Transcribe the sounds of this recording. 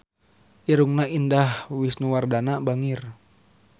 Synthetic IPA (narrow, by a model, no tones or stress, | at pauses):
ʔiɾuŋnaʔindahwisnuwardanabaŋir